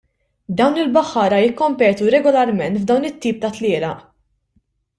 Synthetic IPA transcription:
d̪ɐwnɪlbɐħːɐːɾɐjɪkːɔmpɛːt̪uɾɛɡɔlɐɾmɛnt̪vd̪ɐwnɪt̪ːiːp̚t̪ɐt̪lɪːlɐʔ

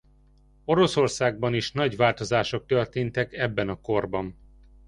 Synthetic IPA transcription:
o̞ɾo̞sorsaːɡ̚bɒniʃnɒɟʋaːlt̪o̞zaːʃo̞k̚t̪ørt̪eːnt̪ɛkɛbːɛnɒko̞rbɒn

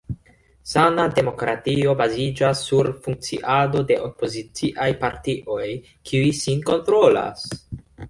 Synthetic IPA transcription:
sanade̞mo̞kɾatio̞bazid͡ʒasːuɾfuŋk̚t͡sḭʔado̞de̞ʔo̞po̞zit͡siʔajpaɾtiʔo̞j | kʰiuisinko̞ntɾo̞la̰s

